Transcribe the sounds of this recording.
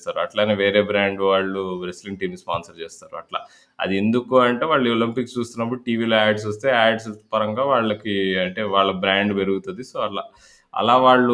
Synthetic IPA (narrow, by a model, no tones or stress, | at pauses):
t̪aːɾuɐ̰ʈlaːneːʋeːɾeːbɾaːɳɖʋaːɭːuɾesliŋʈiːmspaːnsɐɾt͡ʃeːst̪aːɾṵɐ̰ʈla̰ː | ɐ̰d̪ie̞nd̪ukuɐɳʈe̞ːʋaːɭːuolimpikst͡ʃuːst̪unːɐp̬ːuɽuʈiːʋiːloːaːɖs̬ʋɐst̪e̞ːaːɖspɐɾɐŋɡaːʋaːɭːɐkiɐɳʈe̞ːʋaːɭːɐbɾaːɳɖpeɾuɡut̪ond̪isoːɐɭːaː | ɐ̰laːʋaːɭːu